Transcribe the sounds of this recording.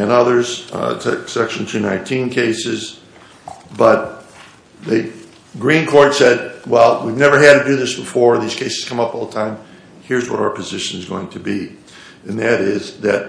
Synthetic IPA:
ɨ̃nʌðə˞z̥tʰsɛkʃɨ̃n̩tʰʉnãɪ̃ntʰĩnkʰeɪsɪz | bʌt̪̚ | ðɨ | ɡɹĩnkʰɔɹtsɛd̚wɛlˠwivnɛvə˞ɨd̚tʰɨdɨðɪsb̥əfɔɹðiz̥kʰeɪsɨ̥z̥kʰʌ̃mʌpɔlˠðətʰãɪ̃m | hɪɹzwʌ̰ɾaʊə˞pʰɨzɪʃɨ̃nɨzɡo̰ʊɪ̃ŋtʰɨbi | ɨ̃nðɨɾɪzðɨt̚

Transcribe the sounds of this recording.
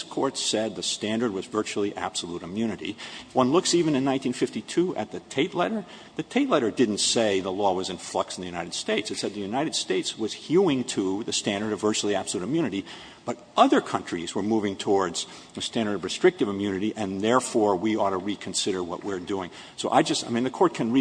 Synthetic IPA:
skʰɔɹtsɛd̪̚ðɨstæ̃ndə˞d̚wʌzvɜ˞t͡ʃul̩ˠiʔæ̰b̥səluɾɨmjʉnɨɾḭfwʌ̃nlʊksivɨ̃nɨ̃nãɪ̃ntĩnfɪftitʰuʔɨ̰t̪̚ðɨtʰeɪtˡlɛɾə˞ | ðɨtʰeɪtˡlɛɾə˞dɪdⁿn̩tseɪðəlɔwʌzɨ̃nflɪk̚sn̩ðɨjʉñaɪɾɨd̥steɪtsɨtsɛd̪̚ðɨjʉnaɪɾɨd̥steɪtswʌz̥hjuɪ̃ŋtʰəðɨstæ̃ndə˞ɾʌvɜ˞t͡ʃul̩ˠiæb̥sl̩ˠuɾɨmjʉñɨɾi | b̥ʌɾ | ʌðə˞kʰʌ̃nt͡ʃɹ̥izwə˞muvɪ̃ŋtʰɔɹdz̥ | ɨstæ̃ndə˞ɾʌvɹɨstɹ̥ɪk̚tɨvɨmjʉnɨɾiʔɨ̃nðɛɹfɔɹwiɔɾəɹikʰɨ̃nsɪɾə˞wʌ̰ʔwɪɹduɪ̃ŋ | soʊʔa̰ɪd͡ʒʌstaɪmĩnðɨkʰɔɹt̚kʰɨ̃nɹi

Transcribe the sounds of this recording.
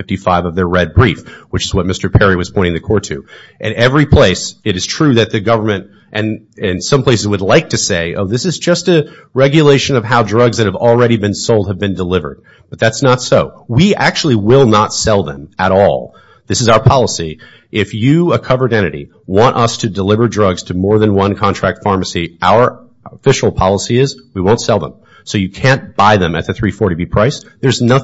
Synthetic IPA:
ɪftifaɪvʌvðə˞ɹɛd̚bɹifwɨt͡ʃɨzwʌt̚mɪstə˞pʰɛɹiwʌz̥pʰɔ̃ɪ̃ɾɪ̃ŋðɨkʰɔɹtʰʉ̰ʔɨ̃nɛvɹipʰl̥eɪsɨɾɨz̥tʰɹ̥ʉðɨt̪̚ðɨɡʌvə˞mɨ̃nt | ʔɨ̃nɪ̃nsʌ̃mpʰl̥eɪsɨzwɨdˡlaɪk̚tʰɨseɪʔo̰ʊðɪsɨzd͡ʒʌstɨ | ɹɛɡjɨleɪʃɨ̃nʌv̥ɦaʊdɹʌɡzðɨt̚hɨvl̩ˠɹɛɾibɨ̃nsoʊlˠd̚ɨvbɨ̃ndəlɪvə̰˞d̚ | b̥ʌt̪̚ðætsnətsoʊwiʔæk̚t͡ʃʉl̩ˠiwɪlˠnətsɛlˠðə̰̃məɾɔ̰lˠ | ðɪsɨzaʊə˞pʰɑlˠəsi | ʔɪfjɨəkʰʌvə˞ɾɛ̃ɾ̃ɨɾḭ | wɑ̃nʔʌstʰɨdəlɪvə˞dɹʌɡz̥tʰɨmɔɹðɨ̃nwʌ̃nkʰɑ̃ntʰɹ̥æk̚tfɑɹmɨsiʔaʊə˞ | əfɪʃl̩ˠpʰɑlˠəsiɪzwiwõʊ̃ntsɛlˠðə̰̃m | soʊjɨkʰæ̃nb̥aɪðɨ̃mɨ̰t̪̚ðɨθɹifɔɹɾibipʰɹ̥aɪsðə˞znʌ

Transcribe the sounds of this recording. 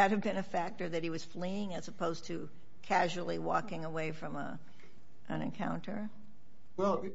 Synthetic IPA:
ɨt̚hɨvbɨ̃nɨfæk̚tə˞ðɨt̚hiwʌz̥fliɪ̃ŋɨzəpʰoʊz̥tʰɨ | kʰæʒul̩ˠiwɔkɪ̃ŋəweɪfɹʌ̃mə̰ | ʔɨ̃nɨ̰̃nkʰãʊ̃ntʰə˞ | wɛlˠ

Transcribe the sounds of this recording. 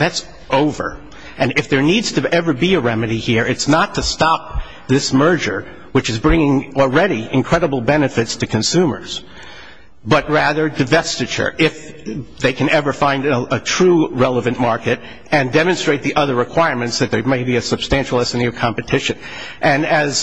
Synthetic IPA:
ðæts | ʔoʊvə̰˞ | ʔɨ̃nɨfðə˞nidz̥tʰɨʔɛvə˞biɨɹɛmɨɾihiɹɨtsnətʰɨstɑp̚ | ðɪsmɜ˞d͡ʒə˞ | wɨt͡ʃɨzbɹɪ̃ŋɪ̃ŋl̩ˠɹɛɾiɨ̃nkʰɹ̥ɛɾəbl̩ˠbɛnɨfɨtstʰɨkʰɨ̃nsʉ̃mə̰˞z̥ | bʌt̚ɹæðə˞dɨvɛstɨt͡ʃə̰˞ʔɪfðeɪkʰɨ̃nɛvə˞fãɪ̃ndətʰɹ̥uɹɛlˠəvɨ̃nmɑɹkɨɾ | ɨ̃ndɛmɨ̃nstɹ̥eɪt̪̚ðiʔʌðə˞ɹɨkʰw̥aɪɹmɨ̃ntsðɨt̪̚ðə˞meɪbiɨsɨb̥stæ̃nʃl̩ˠɛsɨniʌv̥kʰɑ̃mpɨtʰɪʃɨ̃n | ʔɨ̃nɨz̥

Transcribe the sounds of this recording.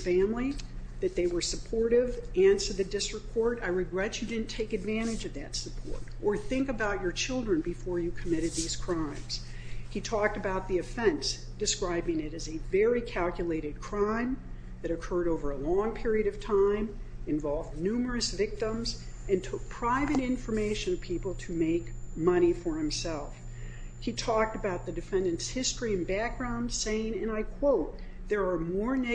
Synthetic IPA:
fæ̃mli | ðɨt̪̚ðeɪwə˞səpʰɔɹɾɪvæ̃nsə˞ðɨdɪstɹ̥ək̚kʰɔɹɾaɪɹɨɡɹɛt͡ʃɨdɪdⁿn̩tʰeɪkɨdvæ̃ɾ̃ɨd͡ʒʌvðɨ̰tsəpʰɔ̰ɹɾʔə˞θɪ̃ŋkɨbaʊt͡ʃə˞t͡ʃʰɪlˠdɹɨ̃nbɨfɔɹjɨkʰəmɪɾɨd̪̚ðiz̥kʰɹ̥ãɪ̃mz̥ | itʰɔk̚tɨbaʊt̪̚ðiɨfɛ̃ns | d̥ɨskɹaɪbɪ̃ŋɨɾɨzɨvɛɹikʰælˠkjɨleɪɾɨd̚kʰɹ̥ãɪ̃m | ðɨɾɨkʰɜ˞ɾoʊvə˞əlɔ̃ŋpʰɪɹiɨɾʌv̥tʰãɪ̃mɨ̃ɱvɑlˠvdⁿnʉmə˞ɨsvɪk̚tə̃mz | ɨ̃ntʰʊk̚pʰɹ̥aɪvɨɾɪ̃ɱfə˞meɪʃɨ̃nʌv̥pʰipl̩ˠtʰɨmeɪkmʌɾ̃ifə˞hɨ̃msɛlˠf | hitʰɔk̚tɨbaʊt̪̚ðɨdɨfɛ̃ndɨ̃nshɪstɹ̥iɨ̃nbæk̚ɡ̥ɹãʊ̃ndseɪɪ̃ŋɨ̃naɪkʰw̥oʊt̪̚ | ðə˞ːmɔɹne

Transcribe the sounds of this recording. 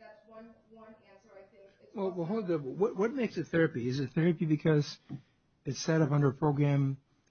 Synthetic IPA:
wɛlˠwɛɦoʊlˠd̪əwʌt̚wʌt̚meɪksɨθɛɹɨpiɨzɨθɛɹɨpibɨkʰʌz | ɨtsɛɾʌpʌ̃ndə˞əpʰɹ̥oʊɡɹæ̃m

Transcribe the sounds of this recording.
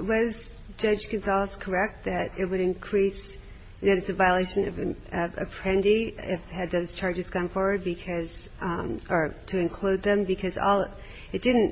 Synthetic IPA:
wʌz | d͡ʒʌ̥d͡ʒ̥kɨ̃nsɑlˠskʰə˞ɛk̚t̪̚ðɨɾɪt̚wɨɾɨ̃nkʰɹ̥is | ðɨɾɨtsɨvaɪəleɪʃɨ̃nʌvʌvɨ̰pʰɹ̥ɛ̃ndiɪfɨd̪̚ðoʊz̥t͡ʃʰɑɹd͡ʒɨz̥kʌ̃ɱfɔɹwə˞d̚bɨkʰʌz̥ | ʔə˞ɾʰɨɨ̃nkʰl̥ud̪̚ðɨ̃mbɨkʰʌzɔ̰lˠ | ɨt̚d̥ɪdⁿn̩

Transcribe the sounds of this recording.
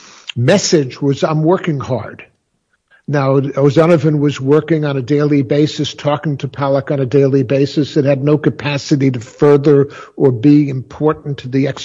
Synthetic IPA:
mɛsɪd͡ʒwʌzãɪmwɜ˞kɪ̃ŋhɑ̰ɹd̥ | naʊoʊzænɨvɨ̃nwʌzwɜ˞kɪ̃ŋə̃nɨdeɪlˠibeɪsɨstʰɔkɪ̃ŋtʰɨpʰælˠəknɨdeɪlˠibeɪsɨsɨt̚hɨdⁿnoʊkɨpʰæsɨɾiɾɨfɜ˞ðə˞ə˞biɨ̃mpʰɔɹʔn̩tʰɨðiɛks

